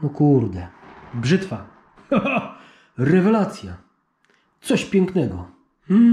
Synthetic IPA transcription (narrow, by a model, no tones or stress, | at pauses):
nɔkuɾd̪ɛbʐɘt̪fa | ɾɛvɛlat̪sʲja | t̪sɔɕpʲjɛŋknɛɡɔ | mm̩